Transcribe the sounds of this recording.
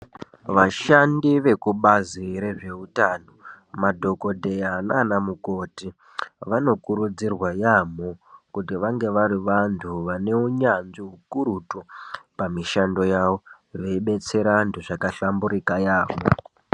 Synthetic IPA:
ʋaʃandiʋe̞kuɓaziɾe̞ʐe̞utano̞ | madʱo̞ko̞dʱe̞jananamuko̞ti | ʋano̞kuɾud͡zirwajamokutiʋaŋɡe̞ʋaɾiʋantʰuʋane̞uɲanʐiɦukuɾutopamiʃando̞jaʋo̞ | ʋe̞iɓe̞t͡se̞ɾantʰuʐakaɬambuɾikajaːʋo̰

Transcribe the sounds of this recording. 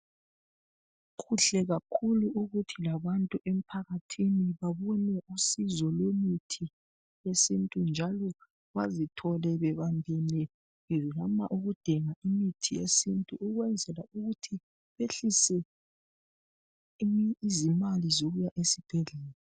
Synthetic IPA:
ukʰuɬɛɣakʰuluʔuɣutʰilaβantʼuʔem̩pʰaɣatʰiniβaβɔnɛʔusizɔlwemitʰi | jesintʼund͡ʒʱalɔ | βazitʰɔlɛβɛβambʱinɛ | amaʔuɣud̥ʱɛŋaimitʰijesintʼuʔuɣwɛnd͡zʱɛlauɣutʰi | βeɬisɛ | izimalizoɣujaʔesib̥ʱɛɮɛːla

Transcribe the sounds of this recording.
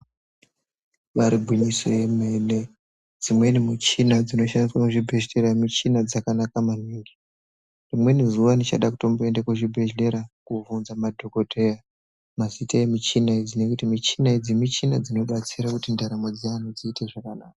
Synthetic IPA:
ʋaɾibʱuɲiso̞je̞me̞ne | d͡zimwe̞nimut͡ʃinad͡zino̞ʃandiswakuʐibʱe̞ʃle̞ɾamit͡ʃinad͡zakanakaman̤iŋɡi | rimwe̞nizuʋanit͡ʃaɗaku̥to̞mboendekwuʐibʱe̞ʒle̞ɾakuvunzamadʱo̞ko̞tʰe̞ja | mazitaje̞mit͡ʃinaid͡zine̞kutimit͡ʃinaid͡zimit͡ʃinad͡zino̞ɓat͡siɾakutindaɾamod͡zianod͡ziːteʐakanaːkḁ

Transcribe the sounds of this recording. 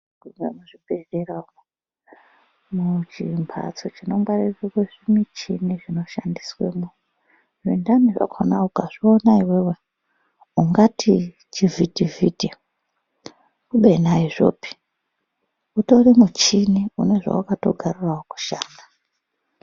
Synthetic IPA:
ɡumemuʐibʱerera | mut͡ʃimpʰa̰t͡sot͡ʃino̞mɡariekeʐimit͡ʃiniʐino̞ʃandiswḛmu | ʐindaniʐa̰kʰonaukaʐionaiwewe̞ | uŋɡatʰi | t͡ʃivʱitiviti | kuɓenaiʐo̞̰ːpi̥ | uto̞rimut͡ʃiniṵne̞ʐa̰ukato̞̰ɡʱaruraoku̥ʃaːna

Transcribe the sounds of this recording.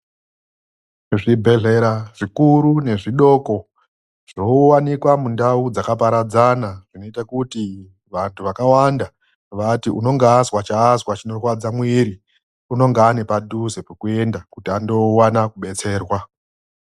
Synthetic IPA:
ʐibʱe̞ɮe̞ɾaʐ̥ikuɾune̞ʐiɗo̞ːko̞ | ʐ̥owanikwamundaud͡zakapaɾad͡zanaʐ̥ino̞itakuti | ʋantʰuʋakawanda | ʋatiṵno̞ŋɡaːzwat͡ʃaːzwat͡ʃino̞rwad͡zamwiːɾi | uno̞ŋɡaːne̞padʱuze̞pukue̞ndakutiando̞wanakuɓe̞t͡se̞ːrwa

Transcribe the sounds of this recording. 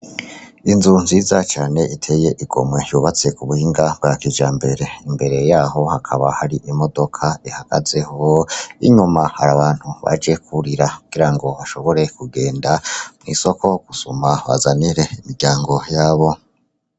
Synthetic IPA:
inzunziːzat͡ʃaːne̞ʔitʰe̞ːje̞ʔiɡ̥o̞̰mwe̞juβat͡se̞kuβuhiːŋɡab̚ɡakid͡ʒaːmbe̞ɾe̞imbe̞ɾe̞jaːɦo̞hakʰaβa̰haɾiʔimo̞do̞kʰaihaɡ̥a̰ze̞hoḭɲumaha̰ɾaβaːn̥huβa̰d͡ʒe̞kʰuɾiɾakuɡ̥iɾaŋɡo̞βaʃo̞βo̞ɾe̞kuɡe̞ːndamŋḭːso̞kʰo̞ɡ̥usumaβa̰zaniɾe̞imiɡɟaːŋɡo̞jaːβo̞

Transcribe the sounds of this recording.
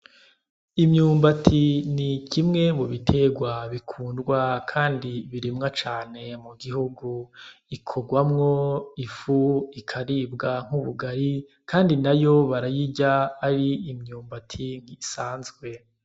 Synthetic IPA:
imɲuːmbatʰinicimŋe̞muβitʰeɡwaβikʰuːndɡwakʰaːndiβiɾimŋat͡ʃaːne̞muɡiɦuɡuikʰo̞ɡwamŋoifuikʰaɾibɡaŋ̥uβuɡaɾi | kaːndinajo̞βaɾajiɟaːɾiːmɲuːmbatʰiŋɡisaːnzɡwe̞

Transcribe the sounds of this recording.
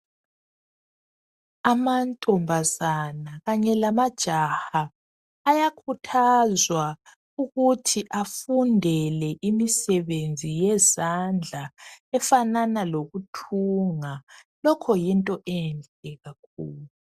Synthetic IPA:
amantʼɔmbʱazanaɣaɲɛlamad̥ʒ̥ʱahaː | jakʰutʰazwa | uɣutʰiʔafundʱɛlɛʔimisɛβend͡zʱijɛzand͡ɮʱaɛfananaloɣutʰuŋa | lɔkʰɔjintʼɔʔɛnd͡ɮɛɣak̚ʰuːlu

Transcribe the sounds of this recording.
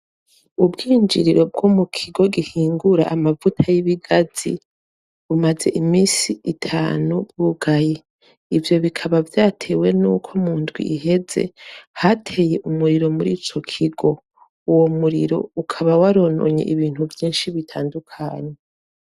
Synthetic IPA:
ubɡiːnd͡ʒiɾiɾo̞b̚ɡomukʰiɡo̞ɡihiːŋɡuɾa̰ʔamavutʰajiβiɡaz̥ḭ | βumaze̞̰ʔimiːsiitʰaːnubɡuɡaje | ivjo̞βikʰaβavjaːtʰe̞we̞nṵkʰo̞muːndɡwḭʔiɦe̞ze̞̰hatʰe̞ːje̞ʔumuɾiɾo̞muɾiːt͡ʃo̞kʰiɡo̞ | uwo̞muɾḭɾo̞̰ukʰaβawaɾo̞no̰ɲe̞̰ʔiβiːn̥huvjiːnʃiβitʰaːndukʰaːɲe

